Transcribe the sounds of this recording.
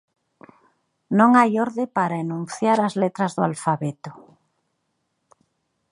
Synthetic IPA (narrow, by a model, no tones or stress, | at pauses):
nõŋajoɾðepaɾaenũnθjaɾazlet̪ɾazðoalfaβet̪o̥